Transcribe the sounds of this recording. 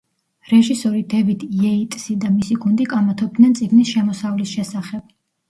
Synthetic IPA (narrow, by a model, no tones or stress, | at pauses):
ɾɛʒisɔɾid̪ɛvid̪jɛit̪ʼsid̪amisiɡund̪ikʼamat̪ʰɔb̚d̪nɛnt̪sʼiɡnisʃɛmɔsavlisʃɛsaχɛb̥